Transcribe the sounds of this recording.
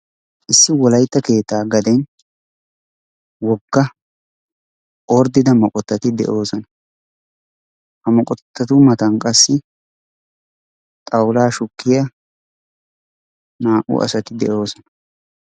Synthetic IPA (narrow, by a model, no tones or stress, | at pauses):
ʔɪsːɪwɔlɐjt̪ːɐke̞ːt̪ːaːɡɐd̪ɛn | wɔɡːɐ | ʔɔɾd̪ɪd̪ɐmɔkʼɔt̪ːɐt̪ɪd̪ɛ̰ʔo̞ːsɔnɐ | hɐmɔkʼɔt̪ːɐt̪ʊmɐt̪ɐnkʼɐsːɪ | t̪ʼɐwlaːʃʊkːɪjɐ | naːʔʊ̰ʔɐ̰sɐt̪ɪd̪ɛʔo̞ːsɔnɐ